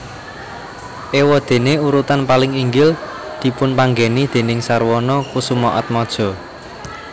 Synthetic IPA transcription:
ʔewɔd̪̥e̤neuɾut̪anpalɪŋiŋɡɪl | d̪̥i̤pʊnpaŋɡenid̪̥e̤nɪŋsarwɔnɔkusumɔʔɔt̪̚mɔd̥ʒ̥ɔ̤

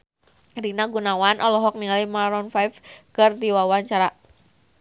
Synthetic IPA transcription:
rinaɡunawanʔɔlɔɦɔk̚nialajmaɾɔnfajfkɨrd̪iwawaɲt͡ʃaɾa

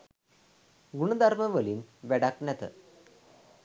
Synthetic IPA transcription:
ɡuɳəd̪ʱaɾməʋəliːnʋɛɽaknɛt̪ə̰

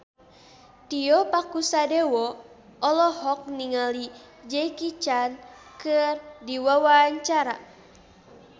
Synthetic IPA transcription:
t̪iɔpakusadɛwɔ | ɔlɔhɔk̚niŋali | d͡ʒɛkit͡ʃan | kɨrdiwawaːɲt͡ʃaɾa

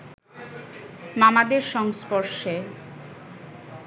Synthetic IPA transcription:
mamad̪eɾʃɔŋspoɾʃe

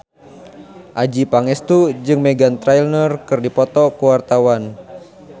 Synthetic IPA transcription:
ʔad͡ʒipaŋɛst̪ud͡ʒɨŋmɛɡant̪ɾajlnərkɨrdipɔt̪ɔkuwart̪awan

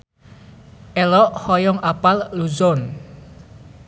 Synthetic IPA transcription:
ʔɛlɔʔhɔjɔŋʔapalːuzɔn

